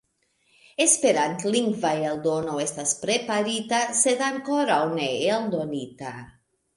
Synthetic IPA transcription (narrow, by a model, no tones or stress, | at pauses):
espeɾant̪liŋɡvajeld̪onoest̪aspɾepaɾit̪ased̪aŋkoɾawneeld̪onit̪a